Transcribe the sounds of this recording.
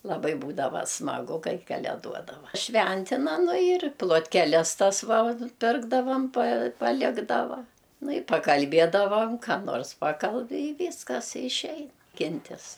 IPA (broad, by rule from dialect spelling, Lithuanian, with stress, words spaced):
lˠɐˈbɐɪ ˈbuːdɐʋɐ smɐˈɡʊ ˈkɐɪ kɐlʲɛˈduɔdɐʋɐ ˈʃʲʋʲɛnʲtʲɪnɐ ˈnʊ ɪr plˠoːtʲkʲɛˈlʲɛs ˈtɐs ˈʋɐ ˈpʲɪrɡdɐʋɐm pɐ pɐˈlʲɪɡdɐʋɐ ˈnʊ ɪ pɐkɐlʲˈbʲiɛdɐʋɐm kɑː ˈnoːrs ˈpɑːkɐlʲbʲɪ ɪ ˈʋʲiːskɐs ɪʃʲˈɛɪnɐ ˈkʲɪnʲtʲɪs